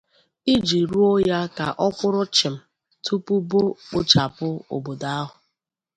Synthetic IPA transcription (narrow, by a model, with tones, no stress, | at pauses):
i˦d͡ʒi˨ɾu˦o˦ja˦ka˨ʔɔ˦kʷʊ˦ɾʊ˦t͡ʃɪ˨m̩˨ | tu˦pu˦bo˦k͡pʊ˦t͡ʃa˨pʊ˦o̰˨bo˨da˦a˦ɦʊ˨